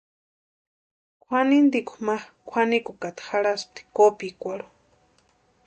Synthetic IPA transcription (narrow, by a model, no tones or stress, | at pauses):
kʷʰanind̪ikʷumakʷʰanikukat̪xaɺast̪i̥kopikʷaɺo̥